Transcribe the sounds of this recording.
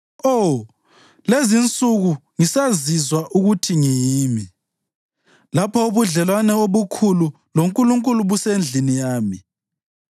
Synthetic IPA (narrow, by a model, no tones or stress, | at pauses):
o | lezint͡sʼuɣuŋisazizwaʔuɣutʰiŋijiːmi | lapʰɔuβuɮɛlwanɛoβukʰulu | loŋkʼuluŋkʼuluβusend͡ɮʱinijaːmi